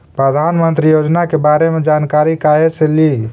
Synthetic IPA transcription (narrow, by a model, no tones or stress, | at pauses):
pɾəd̪ʱanmənt̪ɾijod͡ʒnakebaɾemed͡ʒankaɾikaɦeseli